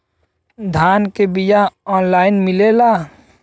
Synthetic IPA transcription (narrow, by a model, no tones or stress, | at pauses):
d̪ʱaːnkebijaɔːnlaːɪnmɪleːlaː